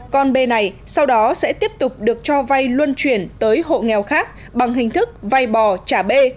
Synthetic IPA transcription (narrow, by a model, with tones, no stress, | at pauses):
kɔ˧nɓe˧na˨˩j | sa˧wɗɔ˨˦sɛ̰˧˥t̪i˦˥əp̚t̪ʊ˨˩k͡p̚ɗɨ˨˩ək̚t͡ɕɔ˧va˧jlwə˧nt͡ɕwi˧˩ənt̪əː˨˦jɦo̰˧˨ŋɛ˨˩wxaː˦˥k̚ | ɓa˨˩ŋɦï˨˩ŋ̟t̪ʰɨ˦˥k̚va˧˩jɓɔ˨˩t͡ɕaː˧˩ɓe˧